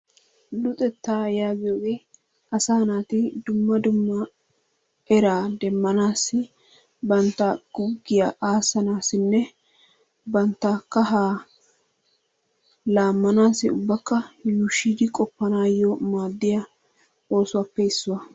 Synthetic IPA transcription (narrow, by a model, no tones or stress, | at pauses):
lʊt̪ʼɛt̪ːaːjaːɡɪjoːɡeː | ɐsaːnaːt̪ɪd̪ʊmːɐd̪ʊmːɐ | ʔɛɾaːd̪ɛmːɐnaːsːɪ | bɐnt̪ːɐɡ̥ʊɡɪjaːʔaːsːɐnaːsɪnːɛ | bɐnt̪ːɐkːɐɦaː | laːmːɐnaːsːɪʊbːɐkːɐjuʃːid̪ɪkʼɔpːɐnaːjɔmaːd̪ːɪjɐ | o̞ːsʊwɐpːɛɪsːʊwɐ